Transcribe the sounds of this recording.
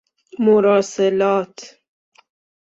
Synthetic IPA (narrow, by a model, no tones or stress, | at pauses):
mʊɾɑːselɑːt̪